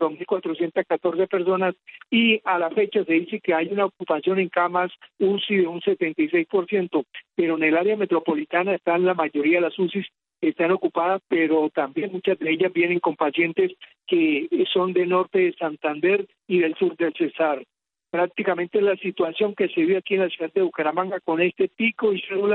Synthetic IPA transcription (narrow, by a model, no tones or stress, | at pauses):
d̪ozmilkwat̪ɾo̞sje̞nt̪askat̪o̞ɾse̞pe̞ɾso̞nasialafe̞t͡ʃase̞ðise̞ke̞ajunaok̚upasjo̞ne̞ŋkamasusiðe̞unse̞t̪e̞nt̪ajs̬e̞jspo̞ɾsje̞nt̪o̞pe̞ɾo̞enelaɾeame̞t̪ɾo̞po̞lit̪anaest̪anlamaʝo̞ɾiaðelasusis | e̞st̪ano̞kupaðaspe̞ɾo̞t̪ambje̞nmut͡ʃazd̪e̞eʝazbje̞ne̞ŋko̞mpasje̞nt̪es | keso̞nd̪e̞no̞ɾt̪e̞ðesant̪and̪e̞ɾ | iðe̞lsuɾd̪e̞lse̞saɾ | pɾak̚t̪ikamẽ̞nt̪elasit̪wasjo̞ŋke̞seβiβakie̞nlasjuðad̪d̪e̞ukaɾamaŋɡako̞ne̞st̪e̞piko̞iselula